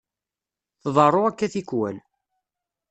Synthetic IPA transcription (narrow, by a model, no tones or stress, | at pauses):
θðˤɑrˤːoækːæθikwæ̰n